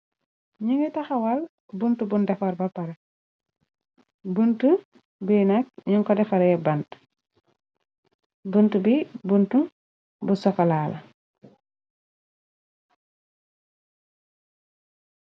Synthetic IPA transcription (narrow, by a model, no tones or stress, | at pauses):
ɲuŋɡɛtɐxɐwɐl | buntubundɛfɔɾbɐpɐɾe | buntu | bunak̚ɲuŋkɔdɛfɐɾjɛbɐnt | buntubibuntu | busɔkalaːlɐ̰